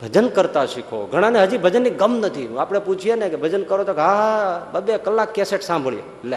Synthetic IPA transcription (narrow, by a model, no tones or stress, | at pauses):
bʱəd͡ʒənkəɾt̪aʃikʰo̰ɡʱəɽ̃ãneɦəd͡ʒibʱəd͡ʒənːiɡəmnət̪ʰiṵ̃aːpɽ̃eput͡ʃʰijenekebʱəd͡ʒənkəɾot̪okɦaɦbəbekəlːãkːeseʈsãmbʱəɭjḛ | l